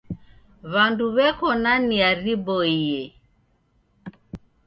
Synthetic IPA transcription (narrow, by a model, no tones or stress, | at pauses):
βanduβɛkɔnaniaɾibɔiɛ